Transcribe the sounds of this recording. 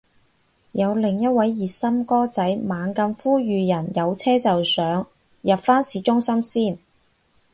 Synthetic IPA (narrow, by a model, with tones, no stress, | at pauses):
jɐ˨˧wlɪ˨˩ŋjɐ˥t̚wɐ˨˧˥jːiː˨˩tsɐ˥mkɔː˥t͡sɐ˨˥jmaː˨˧ŋkɐ˧mfuː˥jyː˨˧jɐ˨˩njɐ˨˧wt͡sʰɛː˥t͡sɐ˨wsœː˨˥ŋ | jɐ˨pfaː˥nsiː˨˥t͡ʃʊ˥ŋsɐ˥msiː˥˩n